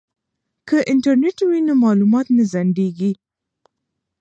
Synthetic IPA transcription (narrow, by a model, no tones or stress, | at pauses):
kəʔɪɳʈaɾneʈwinomɑlumɑt̪nazaɳɖeɡi